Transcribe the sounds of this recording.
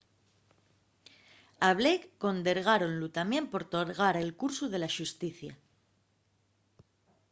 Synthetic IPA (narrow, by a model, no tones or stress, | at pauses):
aβlekːo̞nd̪e̞ɾɣ̞aɾo̞nlut̪amjẽ̞mpo̞ɾt̪oɾɣaɾe̞lkuɾsuð̞e̞laʃust̪iθja